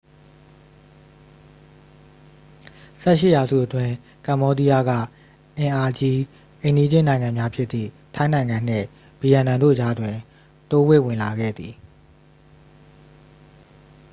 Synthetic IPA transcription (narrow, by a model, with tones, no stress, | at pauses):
sɛ˦˨ʃɪ˦˨ja˨zṵ˦˨ʔətwɪ̃˦ | kã˨mbɔ˦di˦ja˦ɡa̰˦˨ | ʔɪ̃˨ʔa˨d͡ʑi˦ | ʔẽ˨ndi˦d͡ʑɪ̃˦˨nã˨ɪ̃ŋã˨mja˦pʰjɪ˦t̪ːḭ˦˨ | tʰã˦ɪ̃nã˨ɪ̃ŋã˨n̥ɪ̰̃˦˨ | b̥i˨jã˨nã˨ndo̰˦˨d͡ʑa˦dwɪ̃˨ | to˦we˦˨wɪ̃˨la˨ɡɛ̰˦˨d̪i˨